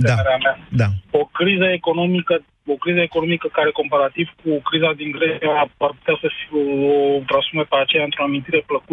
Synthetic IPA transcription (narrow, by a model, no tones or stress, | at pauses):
eaɾeamaaokɾizəeko̞no̞mikə | okɾizəekonomikəkaɾe̞ko̞mpaɾat̪iv̥kukɾizad̪iŋɡɾeiaparput̪easəfiot̪ɾasumepeat͡ʃe̞jaɨnt̪ɾoamint̪iɾe̞pləku